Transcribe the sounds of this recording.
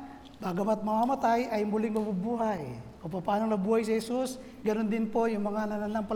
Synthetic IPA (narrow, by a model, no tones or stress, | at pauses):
baɡɐmat̪̚mɐmamɐt̪ajʔɐjmʊlɪŋmɐbubuɦajkʊŋpɐpaːnoŋnɐbuːhajsɪhɛsus | ɡɐnond̪ɪnpojʊŋmɐŋalɐlanaŋpɐl